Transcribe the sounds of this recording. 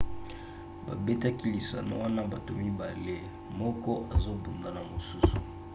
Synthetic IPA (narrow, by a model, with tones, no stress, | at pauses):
ba̰˨be˦ta˦ki˦li˨sa̰˨no̰˦wa˦na˦ba˨to˨mi˦ba˨le˦ | mɔ˦kɔ˦ʔa˨zo˦bu˨nda˨na˨mo˨su˦su̥˨